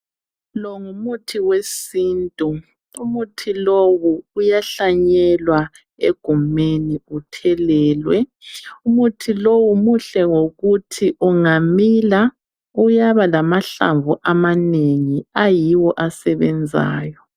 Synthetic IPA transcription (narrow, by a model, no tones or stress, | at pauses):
lɔŋumutʰiwesiːntʼu | umutʰiloβuujaɬaɲɛlwa | eɡ̥ʱumeniutʰɛlɛːlwɛ̰umutʰilowumuɬɛŋoɣutʰiʔuŋamila | ujaβalamaɬa̰ɱvuʔamaneŋiajiwɔʔasɛβɛnd͡zʱa̰ːjɔ